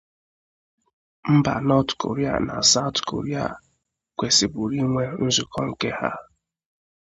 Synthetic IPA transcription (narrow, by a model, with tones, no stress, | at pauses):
m̩˦ba̰˨nɔ˦tko̰˨ɾi˦a̰˨na̰˨sa˦ʊ˦tko̰˨ɾi˦a̰˨ | kʷe˨si˨bu˨ɾi˦ŋʷe˦n̩˦zʊ˨kɔ˦ŋ̩˨ke˦ha̰˦